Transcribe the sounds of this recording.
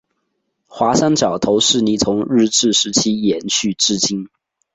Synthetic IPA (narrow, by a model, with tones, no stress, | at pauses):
xwa˧˥ʂa˥nt͡ɕjɑ˨˩ʊt̪ʰo˧˥ʊʂɻ̩˥˩ni˨˥t͡sʰʊ˧˥ŋɻɻ̩˥˧t͡sɻ̩˥˩ʂɻ̩˧˥t͡ɕʰi˥jɛ˧˥nɕy˥˩ʈ͡ʂɻ̩˥t͡ɕi˥n